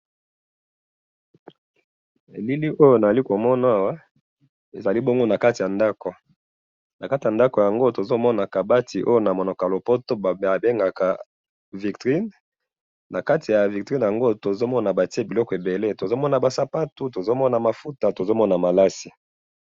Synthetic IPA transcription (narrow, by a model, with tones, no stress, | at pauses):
e˨li˦li˦ʔo˦jo˦na˨a˨li˦ko˨mɔ˦na˦a˦˨wa˦ | e˨za˨li˦bo˦ŋɡo˦na˨ka˦ti˨ja˨nda˦ko˨ | na˨ka˦ti˨a˨nda˦ko˨ja˨ŋɡo˦to˨zo˦mɔ˦na˨ka˨ba˦tʰi˨ʔo˦jo˦na˨mo˨nɔ˨ka˨lo˨po˦to˦ba˨a˨be˦ŋɡa˨ka˨ | vi˨ktʁi˦n | na˨ka˦ti˨ja˨vi˨k̚tʁi˦n˨ja˨ŋɡo˦to˨zo˦mɔ˦na˨ba˨ti˦e˦bi˨lɔ˦kɔ˨e˨be˨le˦to˨zo˦mɔ˦na˨ba˨sa˨pa˦tu˦to˨zo˦mɔ˦na˨ma˨fu˦ta˨to˨zo˦mɔ˦na˨ma˨la˦si˨